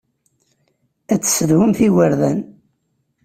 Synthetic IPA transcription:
æt͡sːsəðhʊmθiwəɾðæn

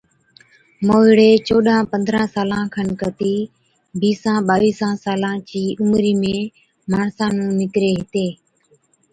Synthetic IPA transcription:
moːɪɽeːt͡ʃoːɗãːpə̃nd̪ʱɾãːsaːlãːkʰənkət̪iː | biːsãːɓaːʋiːsãːsaːlãːt͡ʃiːʔʊmɾiːmẽː | maːɳsãːnũːnɪkɾeːɦɪt̪eː

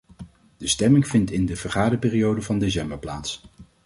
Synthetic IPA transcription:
d̥əstɛmɪŋv̥ɪntɪndəv̥əɹχaːdəɹpɪːriowdəvɑndes̬ɛmbəɹplaːts

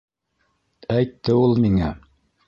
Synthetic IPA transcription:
æjt̪ːɘulˠmiŋæ

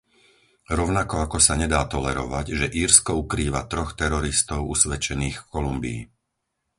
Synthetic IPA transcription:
ɾɔʊnakɔakɔsaɲɛd̪aːt̪ɔlɛɾɔ̰ʋaɟʒɛʔiːɾskɔukɾiːʋa̰t̪ɾɔxt̪ɛɾɔɾist̪ɔʊusʋɛt͡ʃɛniːxkɔlumbḭː

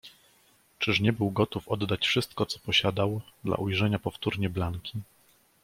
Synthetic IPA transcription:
t͡ʂɘʂɲɛbɘwɡɔt̪ufɔd̪ːat͡ɕfʂɘst̪kɔt̪sɔ̥pɔɕad̪awd̪la̰ʔujʐɛɲapɔft̪uɾɲɛblaŋkʲi

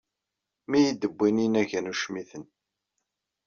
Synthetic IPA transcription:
mijid̪əbʷːininæʝənuʃmiθən

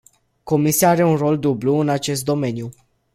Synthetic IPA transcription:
ko̞misiaaɾe̞unro̞ld̪ubluɨnat͡ʃe̞s̬t̪̚d̪o̞me̞nju

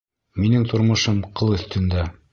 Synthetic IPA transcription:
minɘŋt̪ŏɾmŏʃɤmqɤlˠɵ̆θt̪ɵ̆nd̪æ

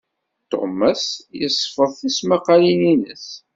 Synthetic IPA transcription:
t̪o̰mɑsjəsˤːfəðˤθæsmɑqːɑlininəs

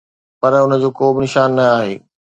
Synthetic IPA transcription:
pɐɾʊnə̆d͡ʑoːkoːbɪnɪʃaːnːɐaːɦḛː

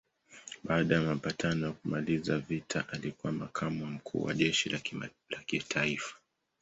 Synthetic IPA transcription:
ɓaːɗajamapatʰanɔjakumalizavitʰaʔalikuwamakʰamum̩kʰṵːwa̰ʄɛʃil | lakitʰaifḁ

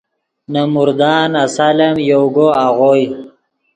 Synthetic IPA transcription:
namuɾd̪ɑːnasalemjoɡoaɣoj

